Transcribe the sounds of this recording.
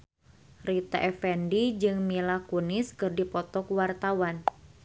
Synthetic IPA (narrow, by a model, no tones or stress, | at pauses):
rit̪a̰ʔɛfɛndid͡ʒɨŋmilakuniskɨrdipɔt̪ɔkwart̪awan